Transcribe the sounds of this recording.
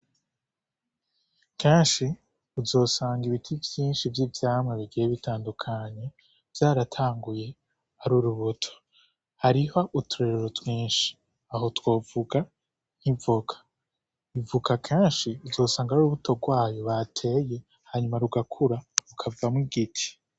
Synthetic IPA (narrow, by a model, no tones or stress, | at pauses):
kʰeːnʃi | uzo̞ːsaːŋɡiβitʰivjiːnʃivjivjaːmŋeβiɡijeβitʰaːndukʰaɲe̞ | vjaːɾatʰaːŋɡuje̞ | aɾuɾuβutʰo̥ | haɾiho̞ʔutuɾeɾeɾotʰwiːnʃi̥ | aɦo̞two̞ːvuɡa | n̥ivukʰḁ | ivukakʰeːnʃiuzo̞ːsaːŋɡaɾuɾuβuto̞ɡwaːjo̞βatʰe̞je̞ | haɲumaɾuɡakʰuɾaɾukʰavamŋiɡitʰi̥